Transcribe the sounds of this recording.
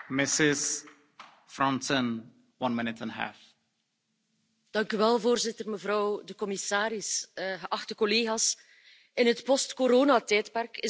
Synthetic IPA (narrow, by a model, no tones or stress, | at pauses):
mɪsɪz | fɹɔ̃ntə̃n | wʌ̃nmɪnɪtʰə̃nɦæ̰f | d̥ɑŋkyʋɛlˠvoːrzɪtərməvɾɔwdəkɔmisaːɾɪsɣəʔɑxtəkɔleːɣaːs | ɪnɦətpɔstkoɾoːnatɛːtpɛrkɪ